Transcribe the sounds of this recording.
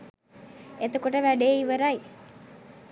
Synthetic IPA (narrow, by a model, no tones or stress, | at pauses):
et̪okoʈəʋæɖeiʋəɾaj